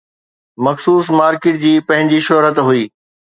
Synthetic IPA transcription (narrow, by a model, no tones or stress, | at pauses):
mɐxsuːsmaːɾkɪʈ̚d͡ʑiːpɐ̃ɦɪ̃ɲd͡ʑiʃɔɦɾət̪ɦuiː